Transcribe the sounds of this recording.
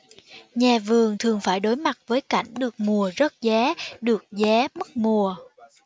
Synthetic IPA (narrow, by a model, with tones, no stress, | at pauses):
ɲɛ˨˩vɨ˨˩əŋt̪ʰɨ˨˩əŋfaː˧˩jɗo˨˦jma˨˩t̚vəː˨˦jka̰˧˩jŋ̟ɗɨ˨˩ək̚mu˨˩əzə˦˥t̚zɛ˨˦ɗɨ˨˩ək̚zɛː˨˦mɨ˦˥k̚mu˨˩ə